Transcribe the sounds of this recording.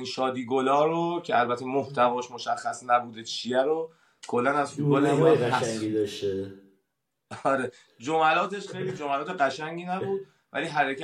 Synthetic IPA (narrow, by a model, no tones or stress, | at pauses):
inʃɒːd̪iːɡolɒːɾocʰeælbæt̪ʰe̞moht̪ʰævɒːʃmoʃæxːæsnæbuːd̪et͡ʃʰiæɾo | kʰo̞lːænæzfud̪bɒːleæʃid̪ɒʃt̪e | ɒːɾe | d͡ʒomælɒːt̪ʰe̞ʃxe̞jlid͡ʒomælɒːt̪ʰeɢæʃæŋɟiːnæbuːd̪̚ | væ̰liːɦæɾecʰæ